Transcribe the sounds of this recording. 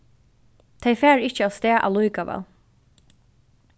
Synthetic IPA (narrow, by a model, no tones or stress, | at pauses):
t̪ʰejfɛːɹɪht͡ʃəast̪ɛːʔa̰wlujkaʋɛ̰ːl